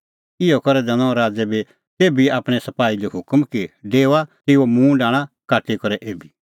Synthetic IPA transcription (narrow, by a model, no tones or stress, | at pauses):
ɪɔkɔɾɛd̪ɛñɔ̃ɾaːd͡zɛbi | t̪eːbiaːpɽ̃ɛsɐpaːileɦʊkmkiɖeːoat̪ɪomũːɖãːɽ̃ãkaːʈʰikɔɾɛʔeːbi